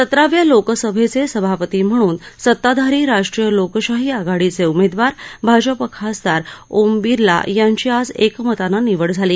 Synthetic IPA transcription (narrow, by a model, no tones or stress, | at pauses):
sət̪ɾaʋjalokəsəbʱet͡sesəbʱapət̪iːm̤əɽ̃uːnsət̪ːad̪ʱaɾiːɾaʂʈɾijəlokɕaɦiaɡaɽit͡seumed̪ʋaɾbʱad͡ʑəpəkʰasd̪aɾombiɾla̰jaɲt͡ɕiːad͡zekmət̪ananiʋəɽd͡zʱaliː